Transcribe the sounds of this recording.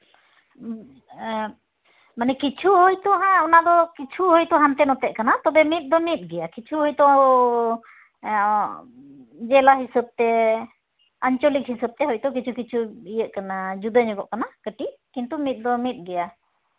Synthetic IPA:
manɛkit͡ʃʰuɦojt̪ɔɦãɔnad̪ɔkit͡ʃʰuɦojt̪ɔɦant̪ɛnɔt̪ɛʔkanat̪ɔbɛmit̪̚ˀd̪ɔmit̪̚ˀɡɛjakit͡ʃʰuɦɔjt̪ɔ | d͡ʒɛlaɦisəb̚t̪ɛ | aɲt͡ʃɔlik̚hisəb̚t̪ɛɦɔjt̪ɔk̬it͡ʃʰukit͡ʃʰuijəʔ̪̚kanad͡ʒud̪əɲɔɡɔ̰ʔkanakəʈikint̪umit̪̚ˀd̪ɔmit̪̚ˀɡɛja

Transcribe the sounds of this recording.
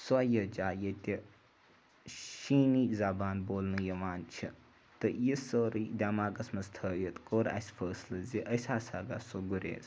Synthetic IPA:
suajəd͡ʒaːjət̪ʲe | ʃiːniːzaːbaːnboːlnɨjɐʋaːnt͡ʃʰi | t̪ɨjisəːɾid̪ʲaːmaːɡɐsmɐst̪ʰəːjət̪koːɾa̰sʲfʰəːslɨziʔəsaːsaɡa̰soɡuɾʲḛːs

